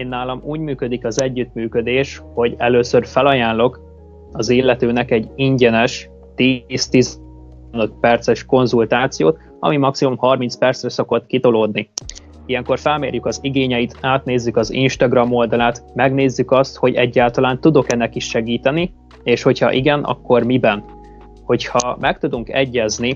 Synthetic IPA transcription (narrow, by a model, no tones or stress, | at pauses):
eːnːaːlɒmuːɟmyːkød̪ikɒzɛɟːyt̪myːkø̞d̪eːʃho̞ɟɛløːsørfɛlɒjaːnlo̞k | ɒzilːɛt̪øːnɛkɛɟiɲɟɛnɛʃ | t̪ist̪iz | nøt̪̚pɛrt̪sɛʃko̞nzult̪aːt̪sijo̰ːt̪ | ɒ̰mimɒksimumhɒrminspɛrt̪srɛso̞ko̞t̪kit̪o̞loːd̪ni | ijɛŋko̞rfɛlmḛːrjykɒziɡeːɲɛjit̪aːt̪neːzːykɒzḭnʃt̪ɒɡrɒmo̞ld̪ɒlaːt̪mɛɡneːzːykɒst̪ho̞ɟɛ̰ɟːaːlt̪ɒlaːnt̪ud̪o̞kɛnːɛkiʃʃɛɡiːt̪ɛni | eːʃho̞chɒ̰ʔiɡɛnʔɒ̰kːo̞rmibɛn | ho̞chɒmɛk̚t̪ud̪uŋkɛɟːɛzni